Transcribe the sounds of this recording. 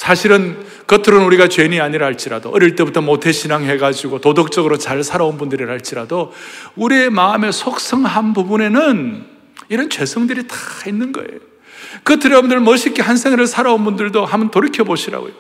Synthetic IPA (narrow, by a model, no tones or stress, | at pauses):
sʰaɕʰiɾɯn | kɯtʰɯɾɯnuɾiɡat͡ɕweniaɲiɾahaɭt͡ɕ͈iɾa̰do̰ʔʌɾiɭt͈e̞butʰʌmotʰe̞ɕʰinaŋɦe̞ɡad͡ʑiɡotodok̚t͡ɕ͈ʌɡɯɾot͡ɕaɭsʰaɾaonbundɯɾiɾɦaɭt͡ɕ͈iɾado | uɾie̞maːme̞sʰok̚s͈ʌŋɦanbubune̞nɯn | iɾʌnt͡ɕwe̞sʰʌŋdɯɾitḁinːɯnɡʌ̰ḛjo | kɯtʰɯɾʌbundɯɭmʌɕʰik͈ehansʰeŋeɾɯɭsʰaɾaonbundɯɭdoɦamʌntoɾikʰjʌboɕʰiɾa̰ɡo̰jo